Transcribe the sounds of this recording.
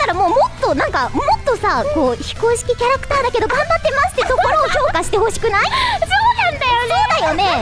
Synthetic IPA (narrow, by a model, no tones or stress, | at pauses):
t̪aɾamo̞ːmot̪ːo̞nãŋkamot̪ːo̞sako̞ːçi̥ko̞ːɕi̥kʲikʲaɾakɯ̟̥t̪aːd̪ake̞d̪oɡãmbat̪ːe̞maɕɨ̥t̪ːe̞so̞ko̞ɾood͡ʑo̞ːkaɕi̥t̪e̞ho̞ɕi̥kɯ̟naisoːnãnd̪ajosoːd̪ajo̞ne̞